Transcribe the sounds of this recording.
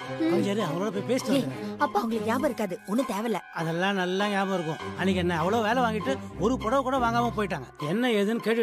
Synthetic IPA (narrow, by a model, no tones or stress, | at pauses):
ɔɲd͡ʒɐɾiɐʋɐŋɡɐɭoːɽɐp̬oːjpeːsɪ̥ʈːɐŋɐɐpːoːɐʋɐŋɡɐɭɯkːɡaːmɐɪɾɯkːaːðɯɔnːɯt̪eːʋɐlːɐɐðɛlːãːnɐlːãːɡaːmɐɪɾɯkːʊ̰̃ɐnːɪk̬ːɐnːɐɐʋɐɭoːʋeːlɐʋaːŋɡɪʈːɯɔɾɯpɔɽɐʋkuːɽɐʋaːŋɡaːmɐ̃poːjɪʈ̬ːaːŋɡɐɛnːɐɛðɯnɯkeːʈːʋ